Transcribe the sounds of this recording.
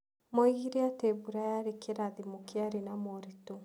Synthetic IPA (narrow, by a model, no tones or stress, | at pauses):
mɔiɣiɾeatebuɾajaɾekeɾaðimokeaɾenamɔɾito